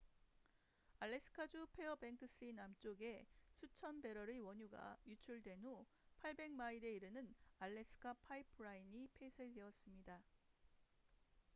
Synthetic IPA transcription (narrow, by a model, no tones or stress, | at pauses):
aɭːe̞sʰɯ̥kʰad͡ʑupʰe̞ʌbe̞ŋkʰɯs͈ʰɯinamt͡ɕ͈oɡe̞sʰut͡ɕʰʌnbe̞ɾʌɾɯwʌɲuɡa̰jut͡ɕʰuɭdwe̞no | pʰaɭbe̞ŋmaiɾe̞iɾɯnɯnaɭːe̞s͈ʰɯ̥kʰapʰaipʰɯɾainipʰe̞sʰede̞ʌs͈ɯmɲida